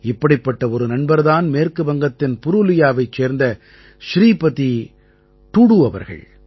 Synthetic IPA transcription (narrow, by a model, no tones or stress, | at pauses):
ɪpːɐɽɪpːɐʈːɐɔɾɯnɐɳbɐɾðaːnmeːɾkɯbɐŋɡɐt̪ːɪnpʊɾɯlɪjaːʋɐɪt͡ʃːeːɾnd̪ɐ | ʃɾiːpɐði | t̪uːɽuɐʋɐ̰ɾɣɐ̰ɭ